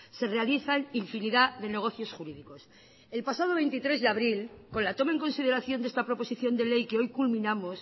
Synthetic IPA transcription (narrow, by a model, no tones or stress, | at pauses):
se̞realiθaniɱfiniðaðe̞ne̞ɣ̞o̞θjo̞sxuɾiðiko̞s | e̞lpasað̞o̞βe̞nt̪it̪ɾe̞zðeaβɾilko̞nlat̪o̞maeŋko̞nsið̞e̞ɾaθjo̞nd̪est̪apɾo̞po̞siθjo̞nd̪e̞le̞jkeo̞jkulmĩnamo̞s